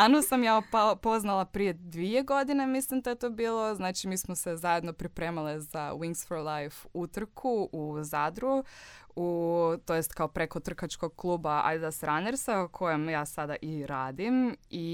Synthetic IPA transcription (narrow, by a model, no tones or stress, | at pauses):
anosamjaːoppo̞znalˠapɾije̞d̪ʋijeɡod̪ine̞mislimd̪ajet̪oːbiːlˠo̞znaːt͡ʃimiːsmose̞zaje̞d̪no̞pɾipɾe̞ːmalizawiŋksfoɾlˠajfut̪r̩kʰuʔuzad̪ɾuut̪ojest̪kaopɾekot̪r̩kat͡ʃko̞ɡ̚klˠuːbaa̰jzasɾaneɾsaukʰo̞jemjaːsad̪aʔiɾaːd̪imi